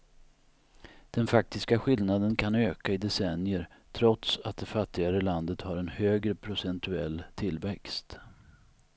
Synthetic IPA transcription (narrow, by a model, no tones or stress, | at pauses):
d̪̥ɛnfak̚t̪ɪskaɧɪlnad̪ənkʰanøːkaɪd̪ɛsɛnjəɾ | t̪ʰɾɔt̪sat̪̚d̪ɛfat̪ːɪɡaɾəland̪ət̪haɾɛnhøːɡɾəpʰɾʊsɛnt̪ɵɛ̰lːt̪ʰɪlvɛkst̪